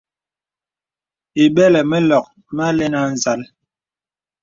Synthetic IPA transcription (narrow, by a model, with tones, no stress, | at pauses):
i˨ɓɛ˦lɛ˨mɛ˦lɔ˨k̚ | m˦a˦le˦na˦n˨za˨˦l